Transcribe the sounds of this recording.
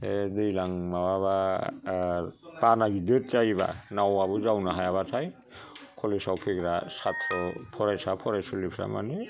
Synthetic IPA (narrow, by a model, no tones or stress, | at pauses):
edɯjlaŋmawaβa | banaɡidɯt̚zajba̰nawabɔzawnaɦajaβatʰaj | kʰɔlisawpʰiɡɾasatʰɾɔpʰɔɾajsapʰɔɾajsɯlipʰɾa̰ma̰ni